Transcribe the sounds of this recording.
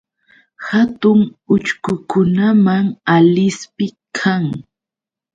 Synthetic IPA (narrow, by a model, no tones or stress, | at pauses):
hat̪ʊŋʊt͡ʃkʊkʊnamaŋalɪspɪkʰaŋ